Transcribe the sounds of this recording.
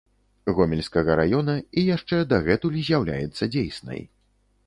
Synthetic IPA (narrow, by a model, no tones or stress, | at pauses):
ɣɔmʲɛlʲskɐɣɐɾajɔnɐijaʂt͡ʂɛd̪ɐɣɛt̪ulʲizʲjawlʲa̰jɛt̪sːɐd͡zʲejsnɐ̰j